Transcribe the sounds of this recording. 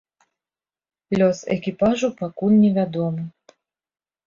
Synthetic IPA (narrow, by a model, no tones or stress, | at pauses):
lʲɔsɛ̰kʲipaʐupakunnʲɛvʲad̪ɔmɨ